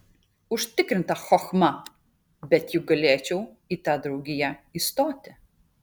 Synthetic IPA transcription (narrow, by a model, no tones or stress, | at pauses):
uʂt̪ɨkɾɨnt̪axɔxmɐ | bʲɛt̪ʲjuɡɐlʲeːt͡ʃɛw | it̪ad̪ɾuɡʲijɐist̪ɔt̪ʲɛ